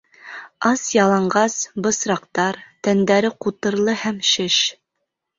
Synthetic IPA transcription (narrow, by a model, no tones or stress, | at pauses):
ɑsjɑlˠɑɴɢɑsbɤ̆sɾɑqt̪ɑɾt̪ænd̪æɾɘqut̪ɤ̆ɾlˠɤhæmʃɘʃ